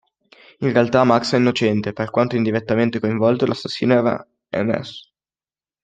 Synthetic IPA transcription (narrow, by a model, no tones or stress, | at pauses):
inrealt̪amːaksɛinːot͡ʃɛnt̪eperkwant̪oind̪iɾet̪ːament̪ekoiɱvɔlt̪olʔasːasːḭːneɛɾa̰ | ɛ̰mɛ̰s